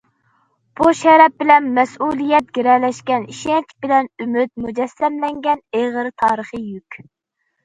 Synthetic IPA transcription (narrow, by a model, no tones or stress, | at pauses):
b̥uʃɛɾɛp̚bɪlɛnmɛsulˠijɛt̪̚ɡʲeɾɛlɛʃkʲɛniʃɛnt͡ʃʰbɪlɛnymyt̪̚mud͡ʒɛsːɛmlɛŋɡʲɛneʁəɾɨt̪ʰɑːɾəχəjykʲ